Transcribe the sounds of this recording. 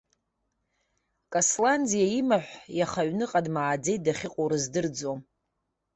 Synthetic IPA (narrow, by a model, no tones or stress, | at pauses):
kʼoslandijaimaħʷjaχaɥnɨqʼadmaːd͡ze̞jt̚daχʲɪqʼoɾɨzdɨrd͡zom